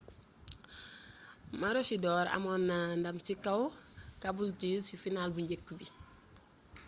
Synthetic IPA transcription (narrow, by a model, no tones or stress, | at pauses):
maɾɔsidɔːɾa̰mɔːnːandɐmsikɐwkabultisifinalbuɲɟekːubi